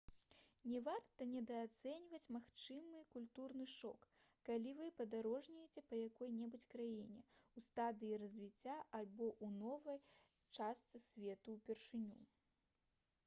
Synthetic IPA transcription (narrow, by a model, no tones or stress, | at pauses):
nʲɛvart̪ɐnʲɛd̪ɐːt̪sɛnʲvɐt͡sʲmaxt͡ʂɨmɨkulʲt̪urnɨʂɔkː | alʲivɨpɐd̪aɾɔʐnʲɛjet͡sʲɛpɐjakɔjnʲɛbut͡sʲkɾajinʲɛust̪ad̪ɨjiɾɐzʲvʲit͡sʲːaʔalʲbɔʔunɔvɐj | t͡ʂast̪sɨsʲvʲɛt̪uwpʲɛrʂɨnʲṵ